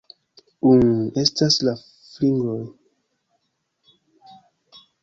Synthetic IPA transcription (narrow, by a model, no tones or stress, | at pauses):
une̞stasla | fliŋɡoj